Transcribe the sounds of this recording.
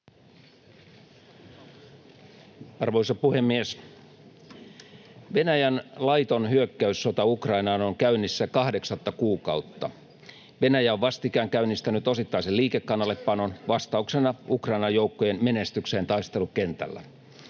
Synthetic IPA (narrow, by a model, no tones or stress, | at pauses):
ɑrʋoisɑpuhemːies | ʋe̞næjænlɑjt̪o̞nhyøkːæysːo̞t̪ɑukrɑinɑːnoŋkæynːisːækɑhde̞ksɑt̪ːɑkuːkɑut̪ːɑ | ʋe̞næjæoʋʋɑst̪ikæːŋkæynːist̪ænyt̪o̞sit̪ːɑiseliːkekːɑnːɑlːe̞ppɑnonʋɑst̪ɑuksenɑukrɑinɑjouwkːojenme̞nest̪ykseːnt̪ɑist̪e̞lukent̪æ̰lːæ̰